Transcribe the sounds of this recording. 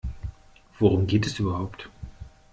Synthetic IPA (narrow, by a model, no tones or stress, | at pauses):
v̥oʁʊmɡeːtɛsʔyːbɐhaʊpt